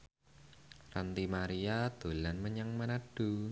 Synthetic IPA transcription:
rant̪imaɾiad̪̥o̤lanməɲaŋmanaɖ̥ṳ

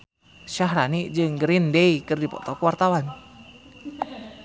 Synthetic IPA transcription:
ʃaɦɾaniʔd͡ʒɨŋɡəɾindeikɨrdipɔ̰t̪ɔkuwart̪awan

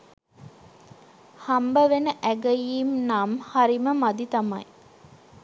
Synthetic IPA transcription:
hambəʋenəʔæɡəjiːmnamhaɾiməmad̪it̪amaj

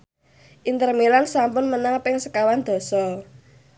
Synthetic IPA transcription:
ʔint̪ərmilansampʊnmənaŋpɪŋsəkawand̪̥ɔ̤sɔ

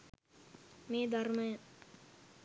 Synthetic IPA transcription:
meːd̪ʱɐrmɐjɐ

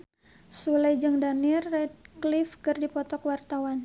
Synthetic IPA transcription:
sulajd͡ʒɨŋdanirːɛt̪̚klifkɨrdipɔt̪ɔkwart̪awan

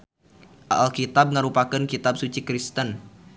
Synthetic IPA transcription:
ʔaalkit̪ab̚ŋəɾupakənkit̪ab̚sut͡ʃikɾist̪ən

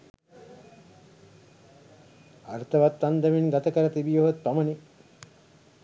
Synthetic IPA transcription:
art̪ɐʋat̪ːand̪ɐminɡat̪ɐkəɾət̪ibijoʋɐt̪̚pamɐni

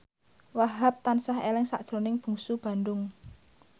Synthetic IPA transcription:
waɦap̚t̪ansaɦelɪŋsa̰ʔd̥ʒ̥o̤nɪŋb̥ṳŋsub̥ä̤nd̪ʊŋ

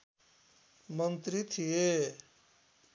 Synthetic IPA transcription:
mənt̪ɾit̪ʰije

